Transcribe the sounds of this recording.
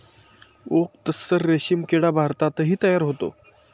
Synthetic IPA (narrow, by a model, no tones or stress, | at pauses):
ok̚t̪əsːəɾːeɕimkeɽabʱaɾt̪at̪əɦiːt̪əjaɾɦot̪o̰